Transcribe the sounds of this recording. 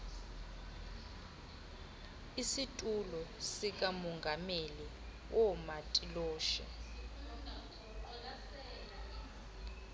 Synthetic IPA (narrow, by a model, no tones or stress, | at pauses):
isitʼulɔsik̬ʼamɔŋɡʱameli | wɔmatʼilɔːʃɛ̰